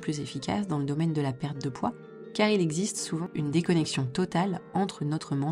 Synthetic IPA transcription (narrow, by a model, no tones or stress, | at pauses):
plyzefikʰʲa̰sd̪ɑ̃ləd̪ɔmɛnd̪əlapɛʁt̪̚d̪əpwa | kaʁilɛɡzist̪suvɑ̃ynd̪ekɔnɛksjɔ̃t̪ɔt̪alɑ̃t̪χənɔt̪χəmɑ̃